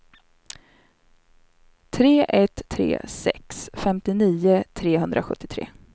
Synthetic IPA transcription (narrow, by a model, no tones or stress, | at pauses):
t̪ʰɾeːʔɛt̪ʰːɾḛːsɛ̰ksfɛmt̪ɪniːʊt̪ʰɾeːɦɵnd̪ɾa̰ɧɵ̰t̪ːɪt̪ʰɾḛː